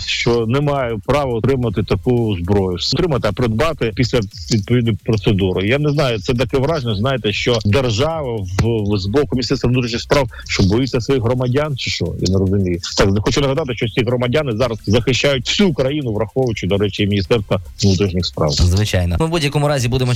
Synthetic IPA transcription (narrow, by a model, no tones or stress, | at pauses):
ʃt͡ʃɔnɛmɑjɛpɾɑʋɐɔt̪ɾɪmɐt̪ɪt̪ɐkuzbɾɔjʊt̪ɾɪmɐt̪ɪɐpɾɪd̪bɑt̪ɪpʲisʲlʲɐ | ʋʲid̪̚pɔʋʲid̪nɔjpɾɔt̪sed̪uɾɪjanɛznɑjʊt̪sɛt̪̬ɐkɛʋɾɑʒnʲɔznɑjɪt̪ɛʃt͡ʃɔd̪erʒɑʋɐzzbɔkʊmʲnʲst̪ɛrst̪ʋɐnut̪ɾiʃɲʲixspɾɑw | ʃt͡ʃɔbɔjit͡sʲːɐsʋɔjiɦɾɔmɐdʲant͡ʃɪ̥ʃt͡ʃɔ̰ja̰nɛɾɔzʊmʲijɛt̪ɑk̪xɔt͡ʃʊnɐɦɐd̪ɑt̪ɪʃt͡ʃɔsʲiɦɾɔmɐdʲanɪzɑɾɐz̥zɐxɪʃt͡ʃːajʊt̚ʲw̥sʲukɾɐjinʊʋɾɐxɔʋʊt͡ʃʊd̪ɔɾɛt͡ʃɪimʲinʲist̪ɛrst̪ʋɐʋnut̪ɾʲiʃnʲixspɾɑ̰wzʋɪt͡ʃajnɐmɪbudʲjɐkɔmʊɾɑzʲibud̪emɔ